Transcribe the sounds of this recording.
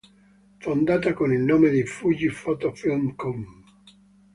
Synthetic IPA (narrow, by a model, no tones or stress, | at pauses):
fond̪aːt̪akonilnoːmed̪ejfud͡ʒifɔt̪ofilmkɔm